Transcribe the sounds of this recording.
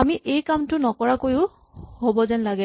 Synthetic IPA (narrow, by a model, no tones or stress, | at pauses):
amiʔejkamtʊnɔkɔɹakojʊ | hobɔzɛnlaɡɛ